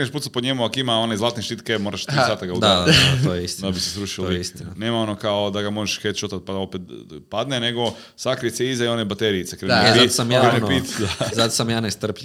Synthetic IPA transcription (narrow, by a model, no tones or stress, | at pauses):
ɾneʃput̪sat̪̚poɲemuakimao̞nezlˠaːt̪neʃt̪it̪kemoːɾaʃt̪ɾisaːt̪aɡaud̪atojist̪d̪abisesɾuʃilisineːmaonokaod̪aɡamo̞ʒeʃxet͡ʃot̪at̪̚pad̪aopet̪pad̪neneɡo̞ | sakɾeseizajonebat̪eɾiːt̪sekɾezpisamjaknepit̪d̪azat̪o̥samjaːnest̪r̩p